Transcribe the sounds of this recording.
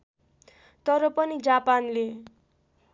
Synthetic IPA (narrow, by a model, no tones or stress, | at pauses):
t̪ʌɾʌpʌnid͡zapanle